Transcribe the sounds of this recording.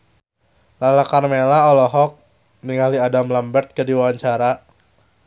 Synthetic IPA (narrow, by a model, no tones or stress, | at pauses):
lalakarmelaɔlɔɦɔk̚ | niŋaliadamlambərt̪̚kədiwawaɲt͡ʃaɾa